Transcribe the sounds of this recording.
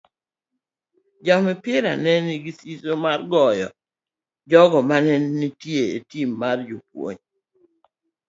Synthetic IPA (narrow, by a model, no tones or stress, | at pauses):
d͡ʒamɛpɪɾa̰nɛniɡisisomarɡɔjɔ̰ | d͡ʒɔɡɔmanɛnːitjeḛtimːard͡ʒupwo̰ɲ